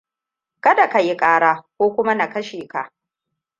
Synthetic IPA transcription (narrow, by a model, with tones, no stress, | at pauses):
kɐ˦da˨ka˨jɪ˦kʼaː˦ɽaː˦kʷoː˦kʷʊ˦ma˦na˨kɐ˦ʃeː˨ka˨ʔ